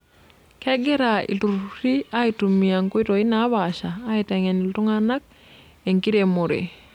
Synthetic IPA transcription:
keɡeɾaḭltuɾɾiajitumːijaŋkuitoinaβaʃaːitaŋeniltuŋanak̚ | eŋkiɾemoɾḛ

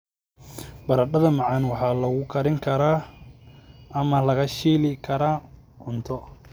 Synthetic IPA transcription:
bɐɾɐɖɐðɐmɑʕɑnwɑħɑːlɐɣʊkʰɐɾɪŋkʰɐɾaː | ɐmɐlɐɣɐʃiːlɪkʰɐɾaː | ʕʊnt̪ʰɔ

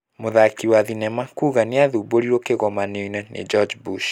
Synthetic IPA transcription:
moðakiwaðinɛmakuːɣaneaðuːboɾiɾokeɣɔmaneɔinɛnḛd͡ʒɔd͡ʒbuʃ

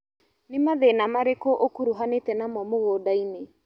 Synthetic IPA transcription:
nemaðɛnamaɾekɔʔokuɾuɦanetɛnamɔmoɣoːdaine

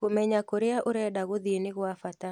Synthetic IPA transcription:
komɛɲakoɾɪaʔoɾɛdaɣʊd̪ienɪɣafata

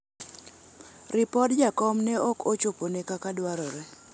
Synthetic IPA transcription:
ripɔt̚d͡ʒakɔmnɛɔkot͡ʃoponekakadwaɾɔɾɛ

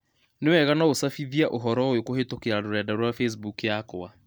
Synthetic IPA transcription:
nɪwɛɣanɔʊsafiðiaʔʊɦɔɾɔːwekohɪtokeɾaɾʊɾɛdaɾwafes̬bukjakʊwa

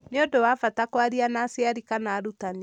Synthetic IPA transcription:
neodowafatakwaɾianasɪaɾikanaːɾutane

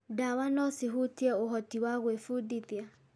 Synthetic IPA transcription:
dawanɔsiɦutiɛoɦɔtiwaɣwefudiðja

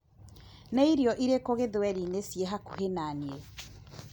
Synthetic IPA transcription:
neiɾjɔʔiɾekoɣeðewɛɾinesjeɦakuhenanie

